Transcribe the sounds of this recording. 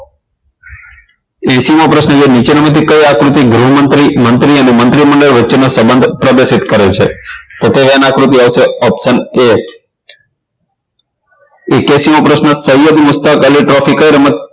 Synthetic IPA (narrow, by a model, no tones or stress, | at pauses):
esimopɾəsnəd͡ʒenit͡ʃeɾəmət̪̬ikəjakɾut̪iɡɾuɦmət̪ɾimənt̪ɾiənimənt̪ɾiməɳɖəɭʋətːt͡ʃːenosəmbənd̪ʱpɾəd̪esit̪kəɾet͡ʃʰḛt̪ot̪eɦanakɾut̪iaʋseɔpsəne | ekesimopɾəsnəsəjod̪mʊst̪akəliʈɾɔfikəjɾəmət̪̚